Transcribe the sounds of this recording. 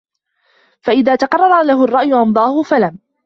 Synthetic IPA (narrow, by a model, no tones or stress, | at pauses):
faʔɪðaːt̪ɑqɑrˤːɑɾˤɑlaɦʊɑrˤːɑʔjʊʔɑnd̪ˤɑːhʊfalam